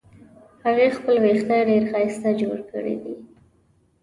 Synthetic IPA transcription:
haɣexpəlwext̪aɖeɾxajst̪ad͡ʒoɽkə̰ɽḭd̪i

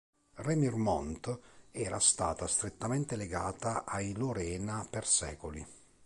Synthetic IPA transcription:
rɛmirmɔnt̪ɛːɾast̪aːt̪ast̪ɾet̪ːamɛnt̪eleɡaːt̪aʔajloɾɛːnapersɛːkoli

